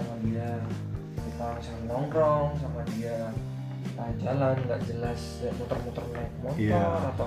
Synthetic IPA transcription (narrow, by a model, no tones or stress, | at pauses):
amadia | kup̪arsaənɔŋɾɔŋsamadia | ʔəd͡ʒalanŋɡaʔd͡ʒəlas | amut̪ɔrmut̪ɔrnajk̚mɔt̪ɔrat̪a